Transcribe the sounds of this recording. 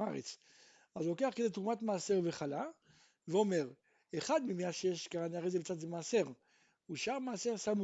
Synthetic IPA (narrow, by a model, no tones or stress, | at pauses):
aʁet͡s | azloke̞aχked̪et̪ʁumat̪maːse̞ʁve̞χala | veo̞me̞ʁ | eχad̪mimeaʃjeʃkaʁaniaʁejzebet͡sat̪zemaːse̞ʁ | uʃaʁmaːse̞ʁsam